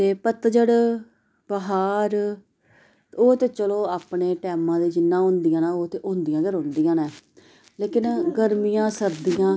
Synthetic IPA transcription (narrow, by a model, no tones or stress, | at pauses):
t̪eːpət̪d͡ʒəɽ | pəɦaːɾ | oːt̪eːt͡ʃəloːaːpɳeːʈɛːmãːd̪eːd͡ʒɪnːãːɦʊ̃ːnd̪ijãːnaːoːt̪eːʔɦõːnd̪ijãːd͡ʒəɾõːnd̪ijãːnɛː | leːkɪnɡəɾmijãːsəɾd̪ijãː